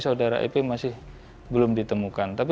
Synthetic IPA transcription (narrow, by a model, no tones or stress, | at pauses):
saudaɾa̰ʔḛpemasɪh | bəlʊmdit̪əmukant̪ap